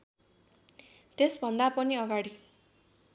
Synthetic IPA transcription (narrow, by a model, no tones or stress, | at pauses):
t̪esbʱʌnd̪apʌniʌɡaɽi